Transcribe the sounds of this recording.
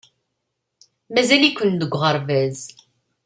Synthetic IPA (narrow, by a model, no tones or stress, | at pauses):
mæzælikʷːənd̪əɡʷʁəɾˤvæz